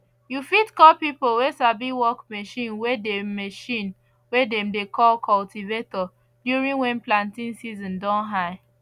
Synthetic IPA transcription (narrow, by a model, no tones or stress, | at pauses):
jufitkɔpipolwesabiwɔkmeʃĩnwedemeʃĩn | wedɛ̃mdekʰɔlkʰɔltivetɔ | djuɹĩŋwɛ̃nplãntĩnsizɔ̃ndɔ̃nɦaɪ